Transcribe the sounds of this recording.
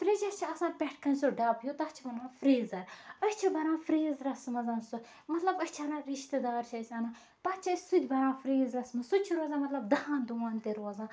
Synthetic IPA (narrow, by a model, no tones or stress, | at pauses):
fɾet͡ʃɐt͡ʃʰiɐsãːpʲɛʈʰkɐnʲsoɖɐːpjot̪ɐt͡ʃʰibɐɾãːfɾeːzɐɾɐsʲt͡ʃʰibɐɾãːfɾeːzɾɐsmɐzaːnsu | mɐt̪lɐbɐt͡ʃʰɐnãːɾiʃt̪əd̪aːɾt͡ʃʰɐsʲɐnaː | t̪ɐːt͡ʃʰɐsud̪ʲbɐɾãːfɾeːzɾɐsmɐsut͡ʃʰuɾoːzaːmɐt̪lɐbd̪ɐhãːnd̪uːãːnt̪eɾoːzãː